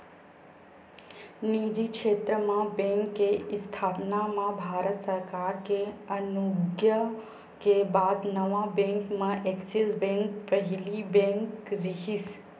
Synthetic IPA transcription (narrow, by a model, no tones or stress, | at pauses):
nid͡ʒikʃeːt̪ɾəmãbẽŋkːest̪ʰaːpnamãbʱaːɾət̪səɾkaːɾkeənuɡjə | kebaːd̪nəʋãbɛ̃ŋkmãʔeksisbɛ̃ŋkpəɦilibɛ̃ŋkɾiɦis